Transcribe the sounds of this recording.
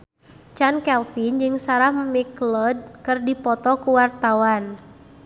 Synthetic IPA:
t͡ʃankɛlfind͡ʒɨŋsaɾahmmiklɔd̚kɨrdipɔt̪ɔkuwart̪awan

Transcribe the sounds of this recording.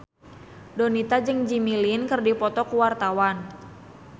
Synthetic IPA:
dɔnit̪ad͡ʒɨŋd͡ʒimilinkərdipɔt̪ɔkuwart̪awan

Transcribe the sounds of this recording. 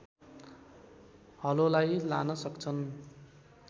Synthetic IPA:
hʌlolajlanʌsʌkt͡sʰʌn

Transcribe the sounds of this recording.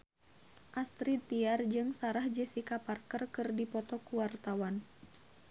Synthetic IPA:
ʔast̪ɾit̪iard͡ʒɨŋsaɾahd͡ʒəsikaparkərkɨrdipɔt̪ɔkuwart̪awan

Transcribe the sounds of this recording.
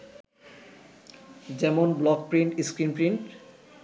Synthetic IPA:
d͡ʑɛmonblɔk̚pɾiɳʈiskɾinpɾiɳʈ

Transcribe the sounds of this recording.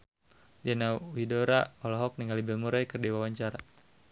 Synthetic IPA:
d͡ʒanawidoɾaɔlɔɦɔk̚niŋalibɛlmuɾajkərdiwawaɲt͡ʃaɾa

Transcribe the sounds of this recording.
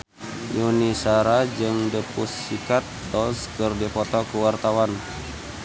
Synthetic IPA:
junisaɾad͡ʒɨŋdəpusːikat̪̚dɔskərdipɔt̪ɔkuwart̪awan

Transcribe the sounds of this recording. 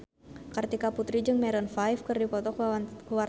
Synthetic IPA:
kart̪ikaput̪ɾid͡ʒɨŋmɛɾɔnfajfkɨrdipɔt̪ɔkkuwar

